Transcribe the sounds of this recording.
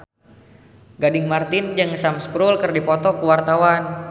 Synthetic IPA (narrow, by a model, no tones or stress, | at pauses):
ɡadɪŋmart̪ɪnd͡ʒɨŋsamspɾulkɨrdipɔt̪ɔkuwart̪awan